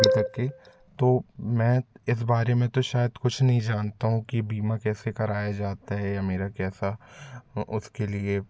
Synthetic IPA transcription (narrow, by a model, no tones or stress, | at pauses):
it̪ɐkːe | t̪oːmɛ̃ːɪs̬baːɾemẽt̪oʃaːjəd̪kʊt͡ʃʰnɐɦĩd͡ʒaːnt̪aɦũkibiːmakɛːsekɐɾaːjad͡ʒaːt̪aɦɛjameːɾakɛːsa | ʊskelie